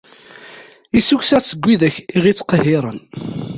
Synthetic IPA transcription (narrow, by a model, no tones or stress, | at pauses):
isuçsæt͡sːəɡʷːiðəçiʁit͡sːqəhɪɾˤən